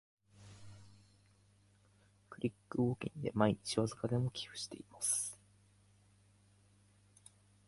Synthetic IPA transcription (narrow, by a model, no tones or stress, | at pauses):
kɯ̟ɾʲikːɯ̟βo̞ːkʲḭ̃nd̪e̞maiɲ̟it͡ɕiβazɨkad̪e̞mo̞kʲi̥ɸɯ̟̥ɕi̥t̪e̞imasɨ̥